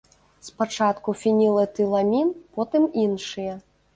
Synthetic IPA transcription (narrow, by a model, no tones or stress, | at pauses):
spat͡ʂat̪kufʲinʲilˠɨt̪ɨlˠamʲinpɔt̪ɨminʂɨjɛ